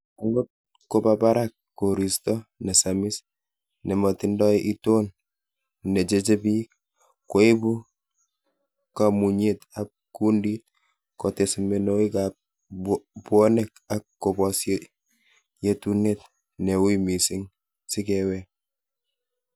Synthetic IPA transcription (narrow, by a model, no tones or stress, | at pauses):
aŋɡot̚ | kobabaɾakːoɾistɔnesamis | nemotindɔʔitoːn | ned͡ʒet͡ʃebi | koibu | kamuɲetap̚kundit | kotesimenoika | buonek̚ak̚kːobɔsje | jetunet̚ | newimisiŋ | sikewe